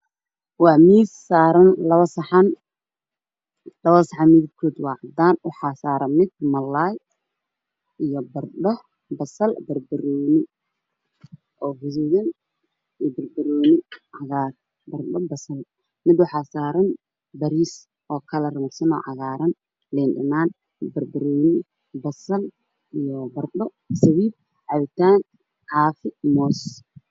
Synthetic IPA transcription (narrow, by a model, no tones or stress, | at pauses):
wɑːmiːssaːɾɐnlɐβɐsɐħɑn | lɐβɐsɑħɑnmiðɪd̪kʰɔːd̪wɑːʕɑd̪aːnwʊħɑːsaːɾɐmɪd̪̚mɐlːaːj | ijɔbɐrɖɔ | bɐsɐlbɐrbɐɾɔːnɪ | ʔɔːhʊðʊːjɐn | ijɔbɐrbɐɾɔːnɪʕɑɣaːr | bɐrɗɔbɐsɐl | mɪd̪ʊħasaːɾɐn | bɐɾiːs | ʔɔːkʰɐlɐrɐmɐrsɐnɔ̰ːʕɑɣaːɾɐn | lɛnɗɪ̰naːn | bɐrbɐɾɔːnɪ | bɐsɐl | ijɔbɐrɗɔ | sɐwiːb̚ | ʕɑβɪt̪ʰaːn | ħaːfɪmɔːs